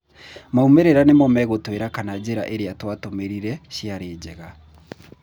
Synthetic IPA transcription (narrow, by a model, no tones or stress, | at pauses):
maumeɾeɾanemɔmɛɣotweɾakanad͡ʑeɾa̰ʔeɾeatwatomeɾiɾɛɕiaɾeːd͡ʑɛɣa